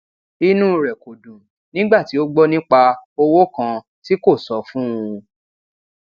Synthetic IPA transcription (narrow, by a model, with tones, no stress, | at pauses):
i˧nũ˦ɾɛ˨ko˨dũ˨ | nĩ˦ɡ͡ba˦˨ti˨˦o˦ɡ͡bɔ˦nĩ˦k͡pa˧o˧wo˦kã˧ | ti˦ko˦˨sɔ˨˦fũ˦ũ˧